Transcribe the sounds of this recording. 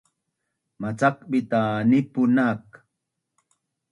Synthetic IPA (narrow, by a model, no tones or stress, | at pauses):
mat͡sak̚ɓɪt̪anɪpʊnak